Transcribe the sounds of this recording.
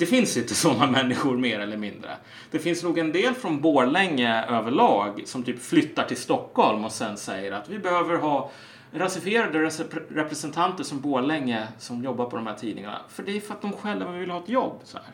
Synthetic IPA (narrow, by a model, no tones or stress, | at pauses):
d̪̥ɛfɪnsɪnt̪əsɔnːamɛnːɪɧʊɾmeːɾɛlːəɾmɪnd̪ɾə̰ | d̪̥ɛfɪnsnuːɡɛnd̪eːlfɾɔnboːɭɛŋːəøːvəɭɑːɡsɔmt̪ʰyːpflʏt̪ːaʈʰɪlst̪ɔkːhɔlmɔsɛnsɛjːəɾat̪vɪbɛhøːvəɾɦɑː | ɾasɪfɪeːɾad̪əɾɛsɾɛpɾɛsɛnt̪ʰant̪əʂɔmboːɭɛŋːəsɔmjɔbːaɾpʰɔd̪ɔmhæːʈʰiːd̪ɪŋa̰ɳa̰fœɖɛfɾat̪̚d̪ɔmɧɛlːavɪvɪlhɑːɛt̪jɔbːsɔ̰hæ̰ːɾ